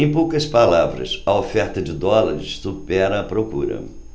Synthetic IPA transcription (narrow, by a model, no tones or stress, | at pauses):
ẽj̃powkɐspalavɾɐ̰sɐofɛɾt̪ɐd͡ʒɪd̪ɔlɐɾɪssupɛɾɐɐpɾokṵɾɐ̰